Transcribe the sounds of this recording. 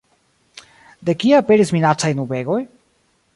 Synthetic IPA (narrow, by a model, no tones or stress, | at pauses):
d̪e̞kiaape̞ɾisminat͡sajnube̞ɡo̞j